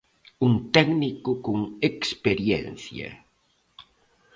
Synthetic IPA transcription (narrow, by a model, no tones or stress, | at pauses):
unt̪ɛɡnikʊkuŋekspeɾjɛ̰nθja̰